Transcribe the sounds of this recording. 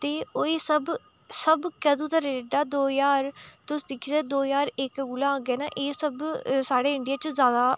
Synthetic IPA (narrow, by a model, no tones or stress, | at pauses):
t̪eːoːeːsəb | səbkəd̪ũːt̪aɾeːɖaːd̪oːjaːɾt̪ʊsd̪ɪkʰːid͡ʒɛːd̪oːjaːɾekɡulãːɡɛːna̰ːʔeːsəbsaːɽeːɪɳɖijaːt͡ʃzjaːd̪aː